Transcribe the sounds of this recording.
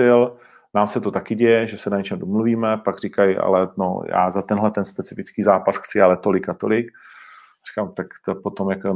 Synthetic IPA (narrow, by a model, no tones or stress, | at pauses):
ɪl | naːmsɛt̪ot̪akɪɟɛjɛʒɛsɛnaɲɛt͡ʃɛmdomluviːmɛpaɡrɪkajɪʔa̰lɛno̰ja̰ːzat̪ɛnɦlɛt̪ɛnspɛt͡sɪfɪt͡skiːzaːpasxt͡sɪalɛt̪o̞lɪkat̪o̞lɪk | ri̥kaːmt̪akt̪opot̪omjako